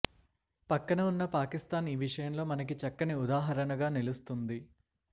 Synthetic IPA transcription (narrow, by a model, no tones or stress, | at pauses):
pɐkːɐnɐunːɐpaːkist̪aːniːʋiʂɐjɐmlo̞ːmɐnɐk̬it͡ʃɐkːɐniud̪aːɦɐɾɐnɐɡaːnilust̪und̪i